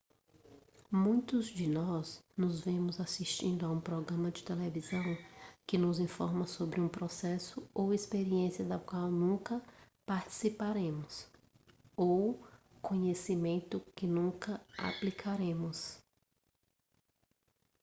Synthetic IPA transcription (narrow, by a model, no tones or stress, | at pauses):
mũj̃t̪ʊzd͡ʒɪnɔznʊzvẽmʊzasiʃt͡ʃĩnd̪ʊaũpɾɔɡɾɐ̃mɐd͡ʒɪt̪elevizɐ̃w̃kɪnʊzĩfɔɾmɐsobɾɪũpɾɔsɛsʊowespeɾiẽsiɐd̪ɐkwawnũkɐ | paɾt͡ʃi̥sipaɾẽmʊs | ow | kõɲesimẽnt̪ʊkɪnũkɐa̰plikʰaɾẽmʊs